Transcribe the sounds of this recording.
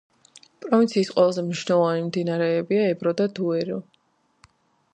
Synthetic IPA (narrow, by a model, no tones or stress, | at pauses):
pʼɾɔvint̪sʰiːsqʼwɛlˠazɛmniʃnɛlˠɔvanimd̪inaɾɛːbiaɛbɾɔd̪ad̪uɛɾɔ